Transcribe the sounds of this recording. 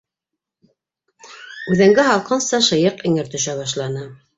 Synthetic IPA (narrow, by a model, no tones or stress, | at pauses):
ʉðɘ̆ŋɡɘɦɑlˠqɤnsɑʃɤ̆jɤqɘ̆ŋɘ̆ɾt̪ɵ̆ʃæβɑʃlˠɑnɤ